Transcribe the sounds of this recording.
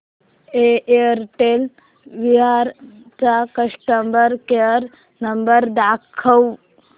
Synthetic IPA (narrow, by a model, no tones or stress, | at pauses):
eəɾʈel | ʋiɦaɾ | t͡sakəʂʈəmbəɾkeəɾ | nəmbəɾd̪akʰəw